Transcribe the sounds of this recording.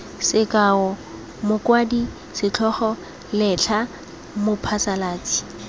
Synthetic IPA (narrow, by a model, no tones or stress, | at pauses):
sɪkʼaɔ | mʊkwaːdi | sɪt͡ɬʰɔχɔ | lɛt͡ɬʰa | mʊpʰasalaːt͡si̥